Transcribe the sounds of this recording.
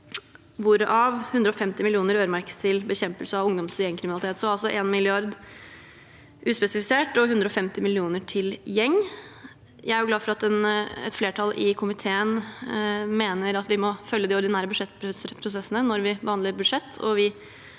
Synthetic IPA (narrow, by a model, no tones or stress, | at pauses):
ʋʊɾəʔɑʋhʉnd̪ɾəɔfɛmt̪ɪmɪlɪuːnəɾøːɾəmæɾkə̥st̪ʰɪlbəçɛmpəlsəɑʋʊŋd̪ɔmsjɛŋkʰɾɪmnlɪt̪ʰeːt̪sɔɾɑlsɔʔeːnmɪlɪɑɾd̪ | ʔʉːspɛsɪfɪseːʈɔɦʉnd̪ɾɔfɛmt̪ɪmɪlɪuːnəʈʰɪljɛŋː | jæɪæɾjʊɡlɑːfɔɾɑt̪ɛnɛ̰t̪fleːʈʰɑlʔɪ̰kʰʊmɪt̪ʰeːən | meːnəɾɑt̪ʋɪmɔfœljːəd̪ɪɔɾɖ̪ɪnæːɾəbʉd̪ʂɛt̪ːpɾspʰɾʊsɛsːənənɔɾʋɪbəhɑnəɾbʉd̪ʂɛt̪ʰːɔ̰ʋɪ